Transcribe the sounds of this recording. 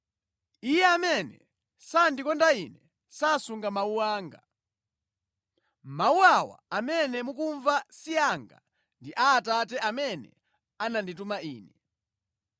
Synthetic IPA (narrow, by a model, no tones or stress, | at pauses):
ijɛamɛnɛ | sandikɔndainɛ | sasuŋɡamauwaːŋɡa | mauwawa̰amɛnɛmukuɱvasiaŋɡa̰ | ndiʔaːtatɛʔamɛnɛ̰ | ananditumaiːnɛ